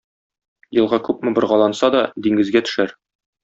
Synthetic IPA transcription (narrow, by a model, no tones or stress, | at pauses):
jɤ̆lˠʁɑkʉpmɘ̆bɤ̆ɾʁɑlˠɑnsɑd̪ɒd̪iŋɡɘ̆zɡæt̪ɵ̥̆ʃæɾ